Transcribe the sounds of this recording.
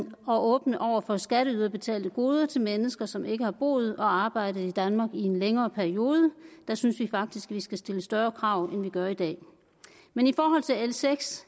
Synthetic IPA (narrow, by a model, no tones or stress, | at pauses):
ɒ̽ʔɔ̽ːb̥nəʔɒʊ̰ɐfɒ̽sɡ̥æɾ̥əyðˠɐb̥e̝t͡sʰɛ̰ːld̥ðəɡ̥o̝ːð̞ˠɐt͡sʰe̝lmenəsɡ̥ɐsɒ̽mʔe̝ɡ̥əhɑ̈b̥o̝̰ːð̞̩ˠɒ̽ɑ̈ːb̥ɑ̈ɪ̰d̥əð̩ˠid̥ænmɑ̈ːɡ̥ie̝nleŋɐːpʰæɐio̝ːð̞ˠəd̥ɑ̈synsʋifɑ̈ɡ̥̚d̥isɡ̥ʋisɡ̥æsd̥e̝ləsd̥ɶːɐːkʰʁɑ̈ʊ̰enʋiɡ̥ɶɐid̥ɛ̰ː | menifɒːɦɒ̽l̰t͡sʰe̝elseɡ̥s